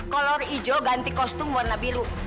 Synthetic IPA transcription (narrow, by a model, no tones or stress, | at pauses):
kɔlɔrid͡ʒoɡant̪ikɔst̪umwɔrnabiɾu